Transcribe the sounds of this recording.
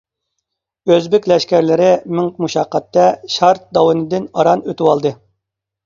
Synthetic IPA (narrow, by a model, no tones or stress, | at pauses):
øzbɪkʲlɛʃkʲæɾlɪɾɪmyŋkʲmuʃɑqʰːɑt̪ːɛʃɑɾt̪̚d̪ɑwɨnɨd̪ɪnɑɾɑnøt̪ɪwɑlˠd̪ɨ